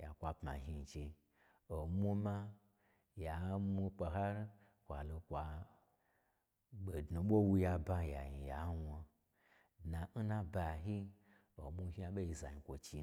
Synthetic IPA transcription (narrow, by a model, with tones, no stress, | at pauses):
ja̰˨kʷa˧pma̰˨ɦi˧˨t͡ʃe˧ | o˨mu˦ma˦ | ja˨mu˧k͡pa˧ɦa˦ɾi˦ | kʷa˨lo˧kʷa˧ | ɓe˨dnu˨ɓo˦wu˧ja˧ba˧ja˨ji˨ja˨˦wa˧ | na˨n̩˦nã˦ba˧ɦi˦ | o˨mu˦hi˦a˧˦ɓo˦i˧za˨ɲi˨kʷo˨t͡ʃi˧